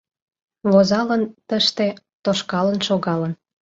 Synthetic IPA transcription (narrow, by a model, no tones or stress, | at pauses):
βozɑlənt̪əʃt̪e | t̪oʃkɑlənʃoɣɑlən